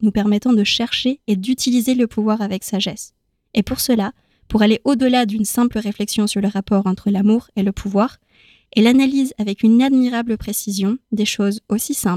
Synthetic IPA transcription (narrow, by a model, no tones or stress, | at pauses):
nupɛʁmɛt̪ɑ̃d̪əʃɛʁʃeːd̪yt̪ʰilizeləpʰuvwaʁavɛksaʒɛs | epuʁsəla | puʁaleʔod̪əlad̪ynsɛ̃pləʁeflɛksjɔ̃syʁləʁapɔʁɑ̃t̪χəlamuʁeləpʰuvwaʁ | elanalizavɛkynad̪miʁabləpχesizjɔ̃d̪eʃozosisɛ̃pl